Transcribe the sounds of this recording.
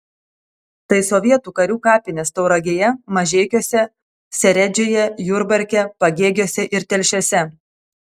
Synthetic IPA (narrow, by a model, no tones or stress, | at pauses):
t̪ɐɪsɔʋʲiɛt̪uːkɐɾʲuːkɑːpʲɪnʲeːst̪ɐʊɾɐɡʲeːjɛmɐʒʲeːkʲoːsʲɛ | sʲɛɾʲɛd͡ʒʲoːjɛjʊɾbɐɾʲkʲɛpɐɡʲeːɡʲoːsʲɛʔɪɾt̪ʲɛlʲʃʲoːsʲɛ